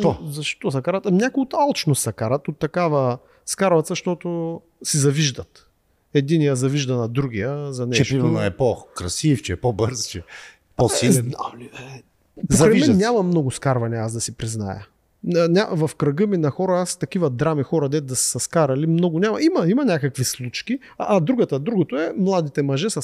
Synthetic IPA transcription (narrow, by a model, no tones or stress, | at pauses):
ɔzɐʃt̪ɔsɐkaɾɐt̪nʲakʊot̪alˠt͡ʃnosɐkaɾɐt̪ot̪ːɐkavɐ | skaɾvɐt̪səʃt̪ɔt̪ʊ | sizɐviʒd̪ɐt̪ | ɛd̪inijəzɐviʒd̪ɐnɐd̪ɾuɡ̟ʲijəzɐnɛt͡ʃɛʃɾivɐnɐɛpɔkɾɐsift͡ʃɛpobɤɾzt͡ʃɛ | posiali | pozkɐɾɛɛnʲːamɐmnɔɡʊskaɾvɐniasd̪ɐsipɾizna̰jə̰ | nʲavɐfkɾɐɡəminɐxɔɾɐast̪ɐk̟ivɐd̪ɾamixɔɾɐd̪ɛt̪̚d̪ɐssɐskaɾɐlimnɔɡʊnʲamɐimɐimɐnʲakəkvislˠut͡ʃkiː | d̪ɾuɡət̪əd̪ɾuɡot̪oɛmlˠad̪it̪ɛmɐʒɛsɐ